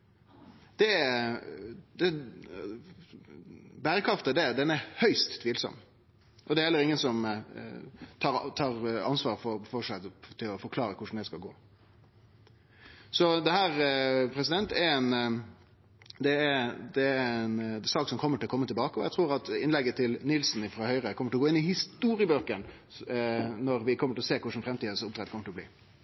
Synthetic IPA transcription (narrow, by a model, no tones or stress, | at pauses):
d̪̥ɛ | d̪ɛ | bæːɾəkʰɾɑft̪əd̪ɛd̪ɛnæɾhœʏst̪ʰːʋiːlsɔ̰m | ʔɔd̪ɛɾhɛlːəɾɪŋːənsɔm | t̪ʰɑːt̪ʰɑːɾɑnsʋɑːɾfɔfɔʂæɪt̪ʰɪlɔfɔɾkʰlɑːɾəkʰʊʂn̩d̪ɛskɑlɡo̰ː | sɔd̪ɛhæːɾpʰɾɛsɪd̪ɛnt̪ɛɛn | d̪ɛæd̪ɛɛnsɑːksɔmkʰɔmːəʈʰɪlɔkʰɔmːət̪ʰɪlbɑːkəɔjæt̪ʰɾuːɾɑt̪ɪnlɛɡət̪ʰɪlnɪlsnɪfɾɑːhœʏɾəkʰɔmːəʈʰɪlɔɡoːɪnɪhɪst̪uːɾɪəbøːkən | nɔɾʋɪkʰɔmːəʈʰɪlɔseːkʰʊʂn̩fɾɛmt̪iːd̪əsɔʊpt̪ʰɛt̪kɔməʈɪlɔblḭː